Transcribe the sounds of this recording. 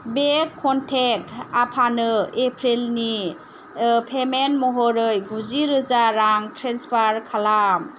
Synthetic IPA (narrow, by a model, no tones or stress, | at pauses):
bekʰːɔntʰek̚tapʰanɯepʰɾilni | pʰemenmɔɦɔɾɯjbuziɾɯzaɾaŋtɾenspaɾkʰalam